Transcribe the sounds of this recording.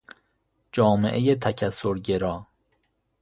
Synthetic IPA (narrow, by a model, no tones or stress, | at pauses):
d͡ʒɒːmeʔejet̪ʰæcʰæsːoɾɟeɾɒː